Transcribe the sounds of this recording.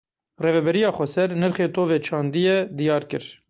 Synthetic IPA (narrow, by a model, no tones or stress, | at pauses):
reːvɛbɛɾijɑːxʷɛsɛɾnɨɾχeːt̪ʰoːveːt͡ʃʰɑːnd̪ijɛd̪ijɑːɾkɨɾ